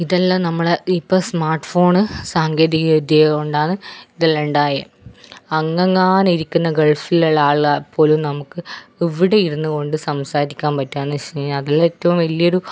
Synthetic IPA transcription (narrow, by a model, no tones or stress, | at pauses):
iðɐlːanɐmːɐɭeipːoːsmaːrʈfo̞ːɳɨsaːŋɡeːðiɣɐd̪ɐɐuɳɖaːɳɨiðɐlːeɳɖaːje | ɐŋːɐŋːaːniɾikʲːunːɐɡɐɭfilɐɭːaːɭapʰːo̞ːlumnɐmukːɨiʋiɽe̞jiɾunːuko̞ɳɖɨsɐmsaːɾikʲːaːnpɐtːaːɳːɨɕɐɐðilːetːɐʋumʋɐlijo̞ɾu